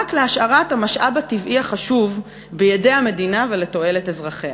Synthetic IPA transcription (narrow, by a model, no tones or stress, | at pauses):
akleaʃaʁathamaʃʔabativʔiaχaʃuv | bejede̞jame̞dinave̞le̞to̞e̞letezʁaχea